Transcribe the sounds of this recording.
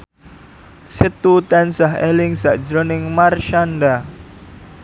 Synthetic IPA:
sit̪ut̪ɛnsaɦḛlɪŋsa̰ʔd͡ʒɾɔnɪŋmarʃanda

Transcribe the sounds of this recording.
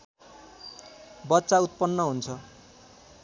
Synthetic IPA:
bʌtːsaut̪̚pʌnːʌɦunt͡sʰʌ

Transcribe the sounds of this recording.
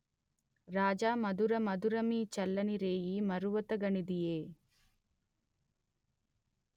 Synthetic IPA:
ɾaːd͡ʒaːmɐd̪uɾɐmɐd̪uɾɐmiːt͡ʃɐlːɐniɾeːjimɐɾuʋɐt̪ɐɡɐɳid̪ijeː

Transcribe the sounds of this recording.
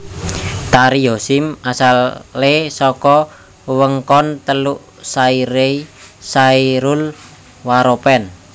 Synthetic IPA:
t̪aɾiosɪmasalːesɔkɔ | wəŋkɔnt̪əluʔ | saiɾeisaiɾul | waɾopɛn

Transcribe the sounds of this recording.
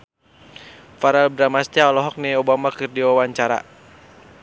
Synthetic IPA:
faɾalbɾamast̪jaɔlɔɦɔk̚nɛɔbamakɨrdiwawaɲt͡ʃaɾa̰

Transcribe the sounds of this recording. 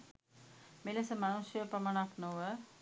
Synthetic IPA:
miləsəmanusjəpɾɐməɳaknoʋə

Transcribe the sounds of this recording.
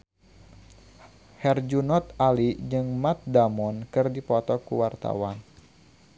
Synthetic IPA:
hɛrd͡ʒunɔt̪̚alid͡ʒɨŋmat̪̚damɔnkɨrdipɔt̪ɔkṵwart̪a̰wan

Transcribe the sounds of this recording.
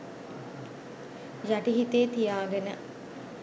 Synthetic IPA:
jaʈiɦit̪eːt̪ijaːɡənə

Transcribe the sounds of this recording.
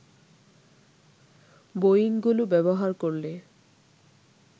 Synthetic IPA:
bojiŋɡulʊbɛbɔɦaɹkoɹlɛ

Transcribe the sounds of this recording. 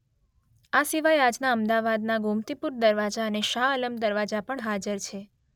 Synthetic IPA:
asiʋajad͡ʒnaəmd̪aʋad̪naɡumt̪ipuɾd̪əɾʋad͡ʒaəneʃaələmd̪əɾʋad͡ʒapəɳɦad͡ʒəɾt͡ʃʰe

